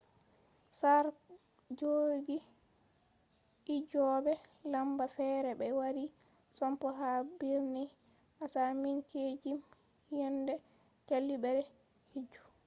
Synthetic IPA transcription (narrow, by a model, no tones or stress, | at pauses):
saɾ | d͡ʒoɡi | id͡ʒɔbɛlambafɛːɾɛbɛwaɾi | sɔmpɔɦabiɾni | ʔasaminked͡ʒim | jɛndɛ | t͡ʃalːibɛɾɛ | hid͡ʒːu̥